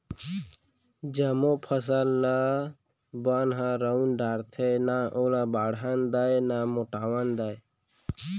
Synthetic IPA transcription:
d͡ʒəmopʰəs̬əlːa | banɦaɾəunɖaːɾt̪ʰenaʔolabaːɽɦand̪ajnamoʈawənd̪aj

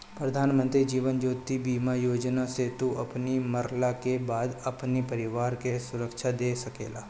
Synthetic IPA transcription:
pɾɐd̪ʱaːnmə̃nt̪ɾid͡ʒiːʋənd͡ʒoːt̪ibiːmajoːd͡ʒnaset̪uʔɐpnimɐɾlakebaːd̪ɐpnipɐɾɪʋaːɾkesʊɾəkʃʰad̪eːsɐkḛːlaː

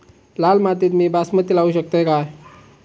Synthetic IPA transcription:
lalmat̪iːt̪miːbasmət̪ːilauɕək̚t̪əjkaj

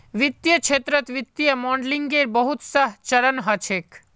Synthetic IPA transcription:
ʋɪt̪jəkt͡ʃʰeːt̪ɾət̪ʋɪt̪ːjəmɔːɳɖliŋɡeɾbəɦut̪səɦt͡ʃɐɾənɦət͡ʃʰeːk

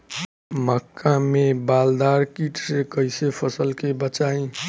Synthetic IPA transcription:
məkːamebald̪aɾkiʈsekəjsepʰəsəlkebət͡ʃaĩ

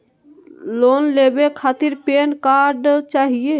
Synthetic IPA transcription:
lonlebekʰat̪iɾpenkaɾɖt͡ʃaɦije

